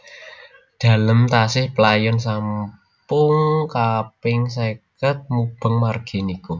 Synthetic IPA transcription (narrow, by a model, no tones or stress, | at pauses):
d̪̥a̤ləmt̪asɪhpəlajɔnsam | pʊŋkapɪŋs̬ekət̪̚mub̥ə̤ŋmarɡ̥i̤niku